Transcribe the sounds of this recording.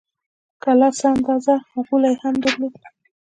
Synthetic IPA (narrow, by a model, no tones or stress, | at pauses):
kalɑsəand̪ɑzahaɣulajehamd̪əɾlod̪